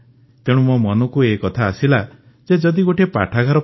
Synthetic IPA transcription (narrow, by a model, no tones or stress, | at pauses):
t̪eɽ̃umomɔnɔkuekɔt̪ʰaːsila | d͡ʒed͡ʒɔd̪iɡoʈʰiepa̰ʈʰaɡʱaɾɔ